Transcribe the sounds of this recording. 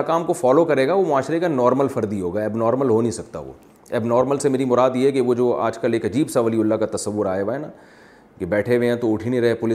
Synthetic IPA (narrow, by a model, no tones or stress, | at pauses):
akaːmkofɔːlokɐɾeːɡaʋomʊaːʃɾekanɔːɾməlfɐɾd̪iɦoːɡaːɛbnɔːɾməlɦonĩsɐkt̪a̰ʋo̰ː | ɛbnɔːɾməlsemeːɾimʊɾaːd̪jeɦɛkeʋod͡ʒoːa̰ːd͡ʒkɐleːkɐd͡ʒiːbsaʋəliʊlːakat̪ɐsɐʋːʊɾaːeʋaːena | kebɛːʈʰeʋẽãt̪oʊʈʰinĩɾɐɦepʊlɪ